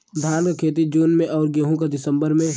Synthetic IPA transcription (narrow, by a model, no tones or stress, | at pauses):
d̪ʱaːnkakʰeːt̪̬id͡ʒuːnmẽʔɔːɾɡeɦũk̬ad̪ɪsə̃mbəɾmẽ